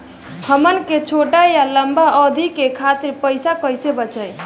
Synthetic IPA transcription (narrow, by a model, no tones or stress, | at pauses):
həmənket͡ʃʰoʈajaləmbaʔɔd̪ʱikekʰat̪ɪɾpəɪsakəɪsebət͡ʃəj